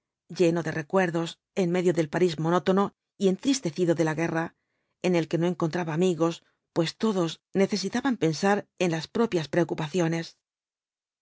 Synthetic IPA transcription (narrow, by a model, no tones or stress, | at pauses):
ɟ͡ʝe̞no̞ðe̞re̞kwe̞ɾðo̞s | e̞nme̞ðjoðe̞lpaɾizmono̞t̪o̞no̞ | ie̞nt̪ɾist̪e̞θiðo̞ðe̞laɣe̞ra | e̞ne̞lke̞no̞e̞ŋko̞nt̪ɾaβaːmiɣo̞s | pwe̞st̪o̞ðo̞sne̞θe̞sit̪aβampe̞nsaɾe̞nlaspɾo̞pjaspɾe̞okupaθjo̞ne̞s